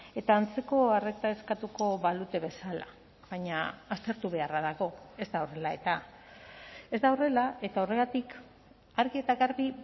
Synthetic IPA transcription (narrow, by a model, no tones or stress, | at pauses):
e̞t̪aːnt͡se̞ko̞are̞k̚t̪ae̞skat̪uko̞βalut̪e̞βe̞sala̰ | βaɲaːst̪e̞ɾt̪uβ̞e̞araðaɣo̞e̞zd̪aore̞lae̞t̪a | e̞zd̪awre̞lae̞t̪ao̞re̞ɣat̪ik | aɾɣie̞t̪aɣaɾβi